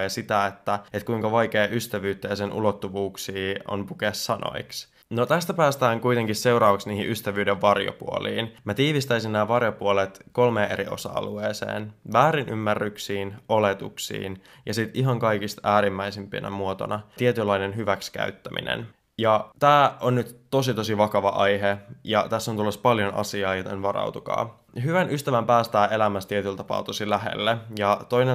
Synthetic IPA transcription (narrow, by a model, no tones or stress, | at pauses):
jɑsit̪æet̪ːæet̪̚kuiŋkɑʋɑjkeːʔyst̪æʋyːt̪ːæjɑsenʔṵlot̪ːuʋuːksiːo̰npukessɑno̰iks | not̪æst̪æpæːst̪æːŋkujt̪eŋkisseuɾɑːʋɑksniːhiʔyst̪æʋyːdeʋʋɑrjo̰pṵo̰liːnmæt̪iːʋist̪æisinnæːʋɑrjopuolet̪ko̞lmeːʔḛɾio̞̰sɑ̰ːlueːsḛːnʋæːɾinʔymːærːyksiːnʔolet̪uksḭːn | jɑsit̪ʔiɦɑŋkɑikist̪æːɾimːæjsimpḭnæ̰muot̪o̰nɑt̪iet̪ylːɑinenɦyʋækskæ̰yt̪ːæmḭnḛn | jɑt̪æːʔonnyt̪t̪o̞sit̪o̞siʋɑkɑʋɑʔɑjɦejɑt̪æsːont̪ulːospɑljonʔɑ̰siɑːjot̪enʋɑɾɑ̰wt̪ukɑ̰ː | ɦyʋænyst̪æʋæmpæːst̪æːʔe̞læmæst̪iet̪ylt̪ɑpɑ̰ːut̪osilæɦḛlːejɑt̪o̞ine